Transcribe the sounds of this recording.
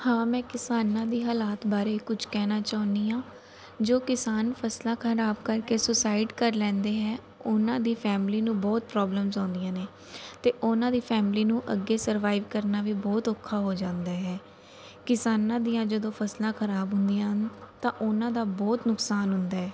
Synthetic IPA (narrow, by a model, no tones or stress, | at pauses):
hãːmɛ̃ːkɪsaːnãːd̪iːɦaːlaːt̪baːɾeːkʊd͡ʒʰkɛːnaːt͡ʃaːʊnd̪iːãː | d͡ʒoːkɪsaːnpʰəslãːkʰəɾaːbkəɾkeːsʊsaːɪɖkəɾlɛ̃ːnd̪eːɦɛː | ʊnãːd̪iːpʰɛːmliːnũːbɔːt̪̚pɾɔːbləmzãːnd̪ijãːneː | t̪eːʔʊnãːd̪iːpʰɛːmliːnũːʔə̰ɡːeːsəɾʋaːɪʋkəɾnaːʋiːbɔːt̪oːkʰːaːɦoːd͡ʒãːnd̪aːɦɛː | kɪsaːnãːd̪ijãːd͡ʒəd̪õːpʰəslãːkʰəɾaːbɦʊnd̪ijãːɦənt̪ãːʔʊnãːd̪aːbɔːt̪nʊksaːnɦʊnd̪aːɦɛː